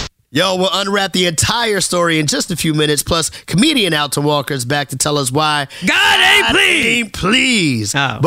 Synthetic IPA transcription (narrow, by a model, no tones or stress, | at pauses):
joʊwɪlˠʌ̃nɹæt̪̚ðiɨ̃ntʰaɪə˞stɔɹiɨ̃nd͡ʒʌstɨfjʉmɪ̃ñɨtspʰl̥ʌskʰəmiɾiɨ̃ñaʊtʰəwɔkə˞zbæk̚tʰɨtʰɛlˠʌs̬waɪɡɑɾeplipʰl̥iz̥b